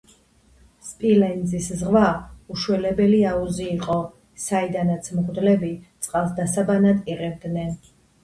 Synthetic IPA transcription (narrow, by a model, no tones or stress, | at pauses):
spʼilɛnd̪ziszʁvauʃwɛlɛbɛliauziːqʼɔ | said̪anat̪sʰmʁd̪lɛbit̪sʼqʼalˠs̬d̪asabanad̪iʁɛvd̪nɛn